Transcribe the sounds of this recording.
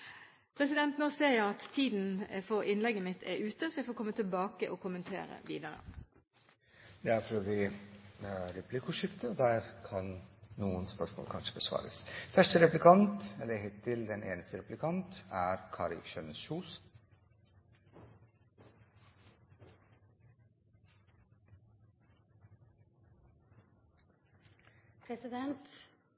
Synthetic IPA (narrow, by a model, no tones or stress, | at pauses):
pʰʁɛsɪd̪ɛnt̪noseːjæɪɑt̪ʰːiːd̪n̩fɔʁɪnlɛɡəmɪt̪ʰɛ̰ɾʉːt̪əsɔjæɪfoːkʰɔmːət̪ʰɪlbɑːkəʔɔkʰʊmənt̪ʰḛːɾə̰ʋḭːd̪əɾə̰ | d̪ɛæɾfɾøʋɪ | ɾɛpʰlɪkʊʂʏft̪əd̪æɾkʰɑnːuːənspœʂmo̰ːlkʰɑnʂəbəsʋɑ̰ːɾə̰sfæʂʈəɾɛplɪkʰɑnt̪ɛləheːt̪ʰːɪld̪ɛnʔeːnəst̪əɾɛplɪkʰɑnt̪æɾkʰɑːɾɪ̰ʃœnəʃuːs | pʰɾɛsɪd̪ɛnt̪